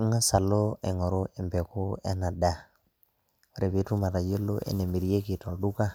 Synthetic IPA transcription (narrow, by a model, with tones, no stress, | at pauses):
ŋa˦sa˨lo˦e˨ŋɔ˨ɾo˦e˨mbe˨ko˦ḛ˦na˨da˨ | o˨ɾe˨βi˦tu˦ma˨ɾa˨je˦lo̰˦ʔḛ˦ne˨mi˨ɾi˦je˦ki˨to˨du˦ka˦